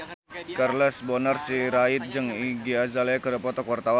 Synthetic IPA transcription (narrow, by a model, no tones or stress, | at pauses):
karlɛsbɔnərsiɾait̪̚d͡ʒəŋiɡiazalɛkəɾəpɔt̪ɔkɔrt̪aw